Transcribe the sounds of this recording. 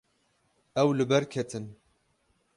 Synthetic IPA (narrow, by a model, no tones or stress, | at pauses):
ɛwlɨbɛɾkʰɛt̪ʰɨn